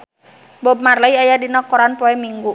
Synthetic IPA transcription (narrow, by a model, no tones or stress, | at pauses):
bɔb̚marlaiajadinɔkɔɾanpɔɛmiŋɡu